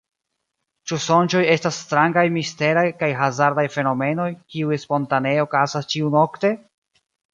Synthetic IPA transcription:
t͡ʃuso̞nt͡ʃo̞je̞stasːtɾaŋɡajmiste̞ɾajkajɦazaɾdajfe̞no̞me̞no̞jkiuespo̞ntaneo̞kasast͡ʃiuno̞kte̞

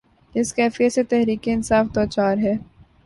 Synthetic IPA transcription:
ɪskɛːfijeset̪ɛɦɾiːkeɪnsaːfd̪ɔːt͡ʃaːɾɦɛː

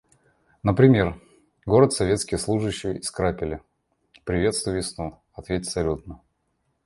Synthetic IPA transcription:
nəpɾʲɪmʲe̞r | ɡo̞ɾət̪sɐvʲe̞t̪skʲɪjəslˠuʐɨɕːɪjəɪskɾapʲɪlʲɪ | pɾʲɪvʲe̞t̪st̪vʊjvʲɪsnu | ɐt̪vʲet̪ʲfsɐlʲut̪̚nə

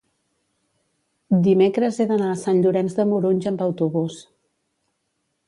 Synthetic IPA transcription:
d̪imekɾəzeðənaəsanʎuɾɛnzðəmuɾoɲʲʒəmbəwt̪uβus

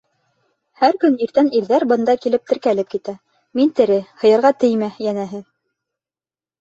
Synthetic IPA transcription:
hæɾkɵniɾt̪æniɾðæɾbɤ̆nd̪ɑkilɘp̚t̪ɘ̆ɾkælɘp̚kit̪æ | mint̪ɘ̆ɾɘhɤ̆jɑ̆ɾʁɑt̪ɘjmæjænæɦɘ

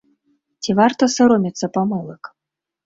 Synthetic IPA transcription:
t͡sʲivart̪ɐsɐɾɔmʲit̪sːɐpɐmɔlˠɨk

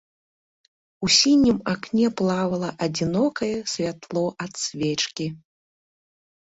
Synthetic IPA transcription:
usʲinʲimaknʲɛplˠavɐlˠɐʔɐd͡zʲinɔkɐjɛsʲvʲat̪lˠɔʔɐt̪sʲvʲɛt͡ʂkʲi

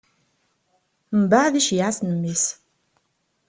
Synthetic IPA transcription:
mbaʕðiʃjaʕasnəmːis

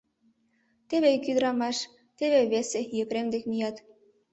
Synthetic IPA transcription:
t̪eβekyd̪ə̆ɾɑmɑʃ | t̪eβeβesejə̆kɾemd̪ekmijɑt̪

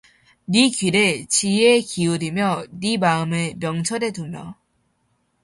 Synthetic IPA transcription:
nikɥiɾet͡ɕiekiuɾimjʌnimaɯmɯmjʌŋt͡ɕʰʌɾe̞dumjʌ

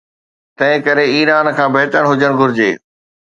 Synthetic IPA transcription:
t̪ɐ̃ɦɪ̃kɐɾeiːɾaːnkʰãːbɐɦt̪əɽ̃ɦʊd͡ʑəɽ̃ɡʊɾɪd͡ʑḛː

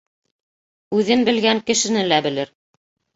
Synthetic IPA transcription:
ʉðɘnbɘ̆lɡæŋkɘ̆ʃɘ̆nɘlæbɘ̆lɘɾ

